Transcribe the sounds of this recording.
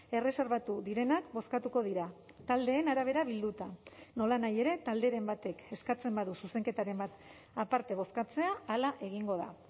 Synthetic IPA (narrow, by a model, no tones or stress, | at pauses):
e̞re̞se̞ɾβat̪uðiɾe̞nakbo̞skat̪uko̞ðiɾa | t̪ald̪e̞ːnaɾaβ̞e̞ɾaβild̪ut̪ano̞lanaje̞ɾe̞t̪ald̪e̞ɾe̞mbat̪e̞ke̞skat͡se̞mbaðususe̞ŋke̞t̪aɾe̞mbat̪ | apaɾt̪e̞β̞o̞skat͡se̞aːlaʔe̞ɣ̞iŋɡo̞ða̰